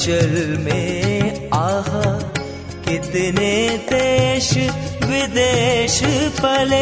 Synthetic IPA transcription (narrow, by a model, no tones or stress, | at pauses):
t͡ʃɐlmẽ | aːɦa | kɪt̪ned̪eːʃʋɪd̪eːʃpɐle